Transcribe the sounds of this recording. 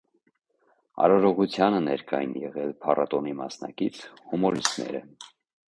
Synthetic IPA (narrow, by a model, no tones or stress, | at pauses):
ɑ̰ɾɔɾɔʁut͡sʰjɑnənɛɾkɑjḭnjɛʁɛlpʰɑrɑt̪ɔnimɑsnɑkit͡sʰhumɔɾist̪nɛ̰ɾə